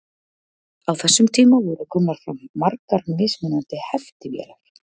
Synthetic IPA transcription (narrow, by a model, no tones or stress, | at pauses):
awθɛsːʏmt̪ʰiːmavɔɾʏkʰɔːmnḁfɾa̰mːarkaɾmɪsmɪnant̪ɪhɛft̪ɪvjɛ̰laɾ̥